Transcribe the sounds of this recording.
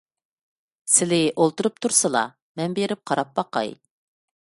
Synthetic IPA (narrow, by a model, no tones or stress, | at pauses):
sɪlɪʔolˠt̪uɾup̚t̪ʰuɾsɨlˠɑ̰ | mɛnbeɾɪp̚qʰɑɾɑp̚bɑqɑ̰j